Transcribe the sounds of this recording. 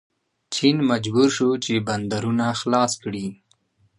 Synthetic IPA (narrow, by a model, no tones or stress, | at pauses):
t͡ʃinmad͡ʒbuɾʃut͡ʃeband̪aɾunaxlɑskɽi